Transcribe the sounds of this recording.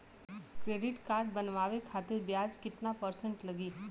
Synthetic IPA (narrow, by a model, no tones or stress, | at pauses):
kɾeɖɪʈkaɾɖ̚bənʋaʋekʰat̪ɪɾbjad͡ʒkɪt̪napəɾsəɳʈləɡiː